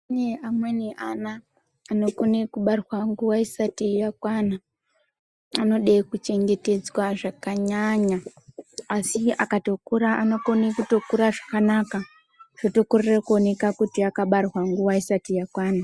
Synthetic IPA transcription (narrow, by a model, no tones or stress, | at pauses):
neamwenianaː | no̞konekuɓarwaŋɡuwaisatijakwana | ano̞ɗekut͡ʃe̞ŋɡe̞te̞d͡zwaʐakaɲaɲaː | sia̰kato̞kuɾaʔa̰no̞ko̞nekuto̞kuɾaʐakanaka | ʐ̥oto̞kurerekuo̞ne̞kakutiakaɓarwaŋɡuwaisatijakwaːna